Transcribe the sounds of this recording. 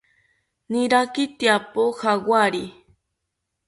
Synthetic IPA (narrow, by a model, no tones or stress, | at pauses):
nɪɾakɪt̪japohawaɾi